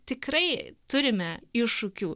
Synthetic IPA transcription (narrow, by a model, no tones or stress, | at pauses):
t̪ʲɪkrɐɪt̪ʊɾʲɪmʲɛɪʃukʲuː